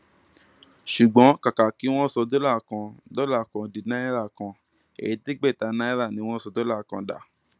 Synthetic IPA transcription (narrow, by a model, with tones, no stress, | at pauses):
ʃu˨ɡ͡bɔ̃˨˦ka˨ka˨ki˨˦w̃ɔ̃˦sɔ˧do˦la˦˨kã˧dɔ˦la˦˨kã˧di˧nã˦ɛ˦ɾa˦˨kã˧ | ḛ˨i˨ti˦ɡ͡bɛ˦˨ta˨˧nã˦i˦ɾa˦˨nĩ˧˦w̃ɔ̃˦sɔ˧do˦la˦˨kã˧da̰˨